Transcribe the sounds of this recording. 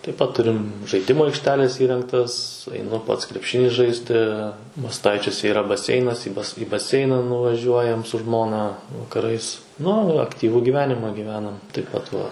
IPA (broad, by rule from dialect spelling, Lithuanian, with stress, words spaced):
tɐɪp pɐt ˈtʊrʲɪm ʒɐɪˈdʲɪmʊ ɐɪkʃʲˈtʲæːlʲeːs ˈiːrʲɛŋktɐs ɐɪˈnʊ ˈpɐts krʲɛpʲˈʃʲɪnʲiː ˈʒɐɪsʲtʲɪ mɐsˈtɐɪt͡ʃʲuɔsʲɛ iːˈrɐ bɐˈsʲɛɪnɐs iː bɐs iː bɐˈsʲɛɪnɐ nʊʋɐˈʒʲuɔjɛm sʊ ˈʒmoːnɐ ʋɐkɐˈrɐɪs ˈnʊ ɐkˈtʲiːʋʊ ɡʲiːˈʋʲæːnʲɪmɐ ɡʲiːˈʋʲæːnɐm tɐɪp ˈpɐt ʋɐ